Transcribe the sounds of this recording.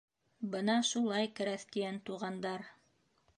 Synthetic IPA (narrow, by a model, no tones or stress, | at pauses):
bɤnɑʃulˠɑjkɘ̆ɾæθk̪ijænt̪uʁɑnd̪ɑɾ